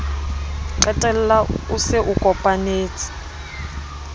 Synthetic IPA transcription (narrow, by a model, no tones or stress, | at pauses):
ǀɛtʼɛlɛlausɛʔukʼɔpʼaneːt͡sʰi̥